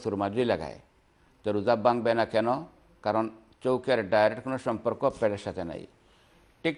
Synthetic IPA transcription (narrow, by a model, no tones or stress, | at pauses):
suɾmad͡ʒuilaɡa̰j | t̪ɔɾud͡zabaŋɡ̚bɛnakʰɛnɔ | kaɾɔn | t͡ʃɔwkeɾɖajɾeʈkunɔsɔmpɔɾkɔpɛɽɛʃat̪ɛna̰ḭ | ʈik